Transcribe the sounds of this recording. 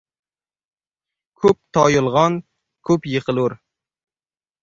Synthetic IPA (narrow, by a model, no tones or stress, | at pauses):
kʲʰɵp̚t̪ʰɑjolˠʁɑn | kʲʰɵpjəqəlˠuɾ